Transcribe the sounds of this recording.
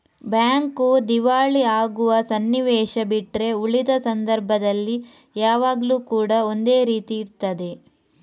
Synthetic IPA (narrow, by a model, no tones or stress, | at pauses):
bjaːŋkud̪iʋaːɭiaːɡuʋɐsɐnːiʋɛːʃɐbiʈɾe̞uɭid̪ɐsɐnd̪ɐɾbʱɐd̪ɐlːi | jaːʋaːɡɐluːkuːɽɐo̞nd̪e̞ːɾiːt̪iːɾt̪ɐd̪e̞